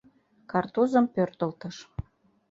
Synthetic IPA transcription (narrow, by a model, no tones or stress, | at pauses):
kɑrt̪uzəmpørt̪əlt̪əʃ